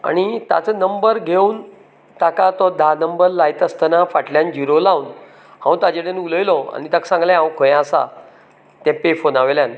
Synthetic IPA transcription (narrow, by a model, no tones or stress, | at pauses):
a̰ɽ̃it̪a̰t͡sənəmbəɾɡʱeuːn | t̪akat̪ɔd̪ʱanəmbəɾlajt̪əst̪ənafaʈljand͡ʑiɾolaun | hãw̃t̪ad͡ʑeɽənuləjlɔa̰ñit̪aksãŋɡlãɦãwkʰõjasa̰ | t̪ɛ̃pefonaʋeljan